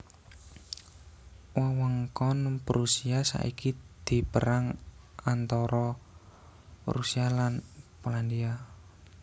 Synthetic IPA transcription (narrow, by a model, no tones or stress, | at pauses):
wawɔŋkɔnpəɾusiasa̰ʔikid̪̥i̤pəɾaŋant̪ɔɾɔ | ɾusialanpoland̪ia